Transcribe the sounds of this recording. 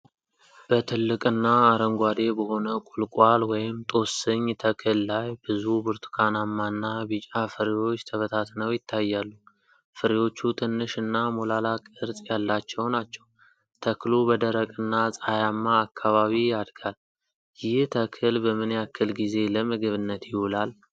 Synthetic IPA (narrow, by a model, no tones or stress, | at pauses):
b̥ət̪ʰɨlːɨkʼɨnːaːɾəŋɡʷad̪e̞bəho̞nəkʼulkʼwalwɔjɪmt̪ʼo̞sɨɲːt̪ʰəkʰɨlːajbɨzubɨɾt̪ʰu̥kʰanamːanːabɨt͡ʃʼafɨɾiwo̞t͡ʃːt̪ʰəβət̪ʰat̪nəwjɪt̪ʰːajːalːu | fɨɾiwo̞t͡ʃːut̪ʰɨnːɨʃɨnːamolalakʼɨɾt̪ʼjalːat͡ʃːɛwnat͡ʃːɛw | t̪ʰəklubəd̪əɾəkʼɨnːasʼajamːaːkʰːaβaβijad̪ɡal | jɪht̪ʰəkʰɨlbəmɨnjakʰːɨlɡize̞ləmɨɡɨβɨnːət̪jɪhulal